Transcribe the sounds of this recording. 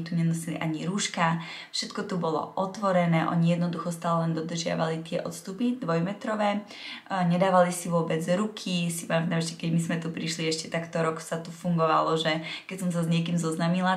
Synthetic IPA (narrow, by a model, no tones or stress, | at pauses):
t̪uɲɛnɔsiliʔaɲiɾuːʃka | fʃɛt̪kɔt̪ubɔlɔ̰ʔɔt̪ʋɔɾɛnɛːʔɔ̰ɲijɛd̪nɔd̪uxɔst̪aːlɛlɛnd̪ɔd̪r̩ʒɪa̰ʋalit̪ɪɛʔɔt̪st̪upid̪ʋɔjmɛt̪ɾɔʋɛː | ɲɛd̪aːʋalisiʋʊɔbɛd͡zɾukʰisipamɛt̪ːamɛʃcɛkɛɟmizmɛt̪upɾiʃliɛʃcɛt̪akt̪ɔɾɔksat̪ufuŋɡɔʋa̰lɔʒɛkɛcsɔms̬azɲɪɛk̬imzɔznamila